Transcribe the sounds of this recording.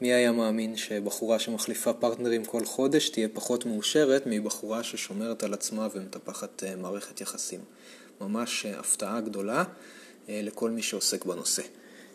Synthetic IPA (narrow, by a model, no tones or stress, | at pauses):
miajamaːminʃe̞baχuʁaʃe̞maχlifapaʁtneʁimkʰo̞lχo̞de̞ʃtije̞paχo̞tmeuʃe̞ʁetmibaχuʁaʃeʃo̞me̞ʁetalat͡smavemet̪apaχatmaːʁe̞χet̪jaχasimː | amaʃa̰ftaʔaɡdo̞la | le̞ko̞lmiʃeo̞se̞kbano̞se̞